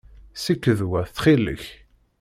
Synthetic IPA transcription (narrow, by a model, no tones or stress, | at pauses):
sikːəðwæθθχilə̰ç